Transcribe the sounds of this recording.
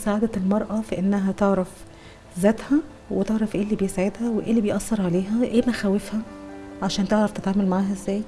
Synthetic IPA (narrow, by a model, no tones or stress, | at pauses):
saʕaːd̪ælmɑɾˤʔɑfiʔenːæɦæt̪eʕɾˤɑf | zæːt̪hæ | wet̪eʕɾˤɑfʔeːlːibejesaʕed̪hæweʔeːlːibejʔɑsːɑɾˤʕaleːɦæʔeːmæxæwːefhæʕaʃæːnt̪eʕɾˤɑft̪et̪ʕaːmælmaʕaːɦæzːæːj